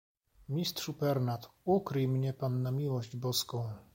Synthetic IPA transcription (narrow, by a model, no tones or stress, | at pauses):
mʲist̪ʂupɛɾnat̪ukɾɘjmɲɛpanːamʲiwɔʑd͡ʑbɔskɔ̃w̃